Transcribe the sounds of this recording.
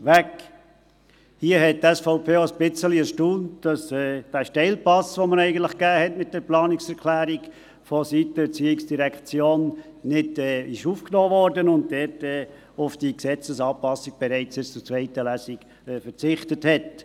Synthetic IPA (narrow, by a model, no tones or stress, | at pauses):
ʋæk | hiəhɛt̚tɛsfaʊpʰeːoəsb̥ɪt͡səliəʃtuːntd̥ɑsɛːd̥æːʃtɛɪlpɑsʋoməɾɛɪɡən̩tlɪχɡ̥æːhɛtmɪt̚d̥ɛɾplɑːnɪksɛɾkʰlæːɾiɡ | fɔsitəət͡siːɪksd̥iɾɛkt͡sjoːn | nɪdɛɪʃuːfknoːvɔɾdənʊnt̚dɛtɛː | ʊfd̥iksɛt͡səsɑːpɑsiɡ̥̚b̥ɛɾɛɪt͡sɪst͡sʊɾt͡svɛɪtəlæːsɪɡ̥ | fəɾt͡sɪχtəthɛt